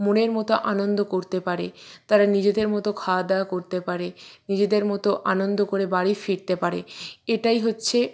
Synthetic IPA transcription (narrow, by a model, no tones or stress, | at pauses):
muneɾmɔt̪oʔanond̪okoɾt̪epaɾet̪aɾanid͡ʑed̪eɾmɔt̪okʰad̪akoɾt̪epaɾenid͡ʑed̪eɾmɔt̪oʔanond̪okoɾebaɾifiɾt̪epaɾḛeʈajɦotːɕʰe